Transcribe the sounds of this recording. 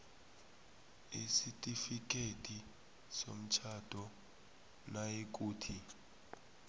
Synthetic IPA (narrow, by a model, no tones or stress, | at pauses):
isitʼifik̬ʼetʼi | som̩t͡ʃʰad̥ʱɔ | naek̬ʼuːtʰi